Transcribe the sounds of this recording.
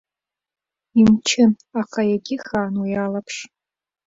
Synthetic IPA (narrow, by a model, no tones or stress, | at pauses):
imt͡ʃʰɪn | aqʰajaɡʲɪxaːnwijalapʰʂ